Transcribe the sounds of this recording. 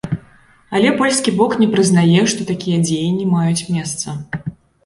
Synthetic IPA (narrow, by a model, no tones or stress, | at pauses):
ɐlʲɛpɔlʲskʲibɔknʲɛpɾɨznajɛʂt̪ɔt̪akʲijɐd͡zʲejɛnʲːimajut͡sʲmʲɛst̪sɐ